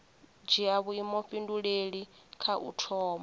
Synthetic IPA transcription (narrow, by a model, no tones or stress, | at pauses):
d͡ʒiaβuimɔɸinduɺeɺi | kʰaʔṵtʰɔːma